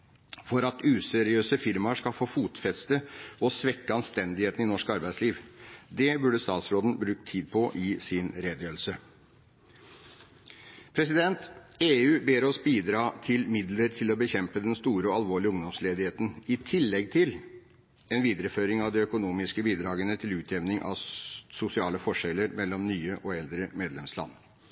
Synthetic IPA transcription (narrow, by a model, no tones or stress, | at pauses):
fɔɾɑt̪ʉːsɛɾɪøːsəfɪɾmɑʂkɑlfoːfuːt̪fɛt̪st̪əɔsʋɛkːəɑnst̪ɛnd̪ɪheːt̪n̩ɪnɔʂkɑɾbæɪsliːʋd̪ɛbʉɖəst̪ɑːt̪sɾoːd̪n̩bɾʉːk̚t̪ʰiːd̪̚pʰɔʔɪsɪnɾeːd̪jøːɾl̩sə | pʰɾɛs̬ɪd̪ɛnt̪eːʉːbeːɾɔsbiːd̪ɾɑːt̪ʰɪlmɪd̪ləɾt̪ʰɪlɔbəçɛmpəd̪ɛnst̪uːɾəɔɑlʋoːɭɪʊŋd̪ɔmsleːd̪ɪheːt̪n̩ɪt̪ʰɪlːɛɡ̚t̪ʰɪl | ɛnʋiːd̪əɾəføːɾɪŋɑʋd̪ɛœkʊnuːmɪskəbiːd̪ɾɑːɡənət̪ʰɪlʉːt̪ʰɛʋnɪŋʔɑ̰ʋsʊsɪɑːləfɔʂɛlːəɾmɛlːɔmnyːəʔɔɛld̪ɾəmeːd̪lɛmslɑ̰nː